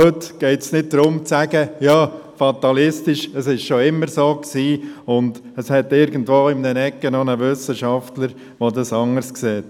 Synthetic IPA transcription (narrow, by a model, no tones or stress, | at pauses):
øtɡ̥ɛɪtsnɪt̚d̥ɾʊmt͡sæɡəjɑː | fɑt̪ɑlɪstɪʃəsɪʃʃoɪmːəɾsoːksiːʊndəshɛtɪɾɡən̩dʋoːɪmnənɛkːənɔnəʋʏsəʃɑftləɾ | ʋodɑsɑŋəɾskseːt